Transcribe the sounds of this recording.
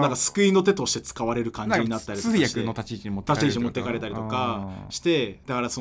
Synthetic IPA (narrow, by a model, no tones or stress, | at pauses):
nãŋkasɨ̥kɯ̟ĩno̞t̪̬e̞t̪o̞ɕi̥t̪e̞t͡sɨ̥kaβaɾe̞ɾɯ̟kãɲ̟d͡ʑiɲ̟inat̪ːaɾʲitakɯeot̪at͡ɕit͡ɕiɲmot̪ːt̪at͡ɕiːt͡ɕiɲimo̞t̪ːekaɾe̞t̪aɾʲit̪okaɕi̥t̪e̞d̪akaɾaso